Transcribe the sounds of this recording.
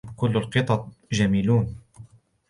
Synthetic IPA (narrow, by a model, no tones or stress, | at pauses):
kʊlːalqɨt̪ˤɑt̪̚ˤʒamiːluːn